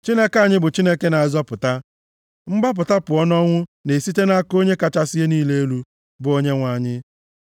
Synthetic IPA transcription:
t͡ʃi˦ne˦ka˦˨ɲɪ˦bʊ˨t͡ʃi˦ne˦ke˦na˨zɔ˦pʊ˨ta˦ | m̩˦ɡ͡ba˦p̬ʊ˨ta˦pʊ˨ɔ˦nɔ˦ŋʷʊ˦ne˨si˦te˦na˦ko˦ɲe˦ka˨t͡ʃa˦sɪ˦e˦niː˦le˦e˦lu˦ | bʊ˨o˦ɲe˦ŋʷa˨ɲɪ˦

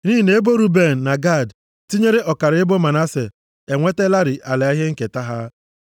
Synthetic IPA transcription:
ni˦i˨ne˨˦e˦bo˦ɾu˦be˦˨n̩˨na˨ɡa˦˨d | ti˦ɲe˦ɾe˦ʔɔ˨ka˨ɾe˦bo˦ma˨na˦se˨ | e˨ŋʷe˦te˦la˦ɾi˨ʔa˨le˨a˦ɦe˦ŋ̩˦ke˨ta˦ɦa˦

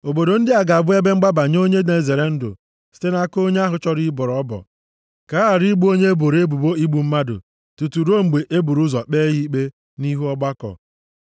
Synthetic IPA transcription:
o˨bo˨do˨n̩˦dɪ˦a˨ɡa˨bʊ˦e˦be˦ŋ͡m̩˦ɡ͡ba˦ba˨ɲ˦o˦ɲe˦ne˨ze˨ɾe˨n̩˦dʊ̰˨ | si̥˦te˦na˦ko˦ɲe˦a˦ɦʊ˨t͡ʃɔ˦ɾi˦bɔ˨ɾɔ˦bɔ̰˨ | ka˨˦a˨ɾi˦ɡ͡bu˦o˦ɲe˦e˦bo˨ɾe˦bu˨bo˦i˦ɡ͡bu˨m̩˦ma˦dʊ̰˨ | tu˨tu˨ɾo˦ŋ͡m̩˨ɡ͡be˨ʔe˦bu˨ɾu˦zɔ˨k͡peː˦ɣi˦i˦k͡pe˦ | ni˦ɦu˦ɔ˦ɡ͡ba˦kɔ̰˨

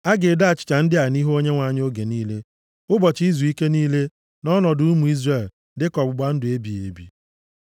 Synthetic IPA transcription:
a˦ɡɪ˨da˦˨t͡ʃɪ̥˨t͡ʃa˨n̩˦dɪ˦a˨ni˦ɦo˦ɲe˦ŋʷa˨˦˨ɲ˦o˦ɡe˨niː˦le˦ | ʊ˦bɔ˨t͡ʃi˦zu˨i˦ke˦niː˦le˦ | nɔ˦nɔ˨dʊ˨˦u˦mu˨i˦zre˦˨l | dɪ˦kɔ˨bʊ˨ɡ͡ba˦n̩˦dʊ˨e˦bi˨ḛ˨bḭ˨

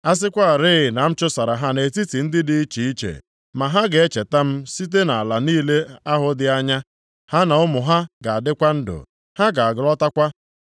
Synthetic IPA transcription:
a˦s̬ɪ˦kʷa˦˨ɾɪ˦ɪ˨na˨m̩˦t͡ʃʊ˦sa˨ɾa˨ɦa˦ne˨ti˦ti˨n̩˦dɪ˦dɪ˦i˦t͡ʃi˨i˦t͡ʃḛ˨ | ma˨ɦa˦ɡe˦t͡ʃe˨ta˦m̩˦si˦t̬e˦na˨a˨la˨niː˦le˦a˦ɦʊ˨dɪ˦a˦ɲa˦ | ha˦na˨ʊ˦mʊ˨ɦa˦ɡa˨a˨dɪ˦kʷa˦n̩˦dʊ̰˨ | ha˦ɡa˨a˨ɡɪ˨lɔ˦ta˦kʷa˦

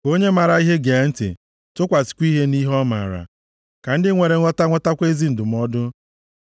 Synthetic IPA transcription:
ko˦ɲe˦ma˨ɾa˨i˦ɦe˦ɡe˨˦n̩˦tɪ̰˨ | tʊ˦kʷa˨si̥˨kʷi˦ɦe˦ni˦ɦɔ˦ma̰˨ɾa̰˨ | ka˨n̩˦dɪ˦ŋʷe˨ɾe˨ŋʷɔ˦ta˦ŋʷɔ˦ta˦kʷe˦zi˦n̩˨dʊ˨m̩˦ɔ˦dʊ˦

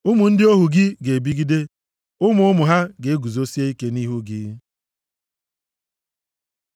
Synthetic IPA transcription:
ʊ˦mu˨n̩˦dɪ˦o˦ɦu˨ɡɪ˦ɡe˨bi˦ɡi˦de˦ | ʊ˦mʊ˨ʊ˦mʊ˨ɦa˦ɡe˨e˦ɡu˨zo˦si˦e˦i˦ke˦ni˦ɦu˦ɡɪ̰˦

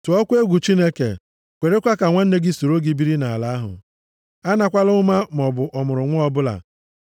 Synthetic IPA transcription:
tʊ˨ɔ˦kʷe˦ɡʷu˨t͡ʃi˦ne˦kḛ˨ | kʷe˨ɾe˦kʷa˦ka˨ŋʷa˦n̩˦ne˦ɡɪ˦so˨ɾo˦ɡi˦bi˦ɾi˦na˨a˨la˦ɦʊ̰˨ | a˦na˨kʷa˦lʊ˦ma˦m˨ɔ˨bʊ˨ʔɔ˨mʊ˨ɾʊ˨ŋʷʊ˦ɔ˦bʊ˦la̰˨

